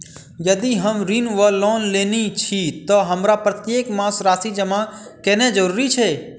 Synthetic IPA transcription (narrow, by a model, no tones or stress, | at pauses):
jəd̪iɦəmɾinʋəloːnlenit͡ʃʰit̪oɦəmɾapɾət̪jeːkmãsɾaːsid͡ʒəmã | kɛned͡ʒəɾuːɾit͡ʃʰe